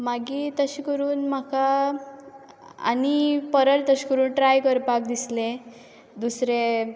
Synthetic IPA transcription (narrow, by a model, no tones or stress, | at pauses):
maɡiːt̪əɕikəɾuːnmaka | a̰nipəɾəlt̪əɕi̥kəɾuːnʈɾajkəɾpak̚d̪isle | d̪usɾe